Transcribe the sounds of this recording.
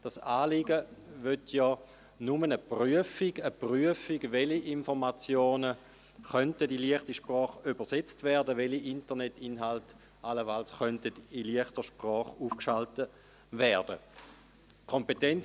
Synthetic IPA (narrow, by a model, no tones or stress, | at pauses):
d̥asaːliɡəʋøtʰjɔː | numənəpryəfiɡəpryəfiɡveliʔinfɔʁmat͡sjoːnə | χœntədiliəχtiʃpʁɔːχybəset͡stvɛːɐdəʋeliʔintənetinɦalt | ʔaləfalsχœntədiliəχtəʃpʁɔːχuːfkʃaltə | vɛʁd̥ə̰ | kʰompetɛn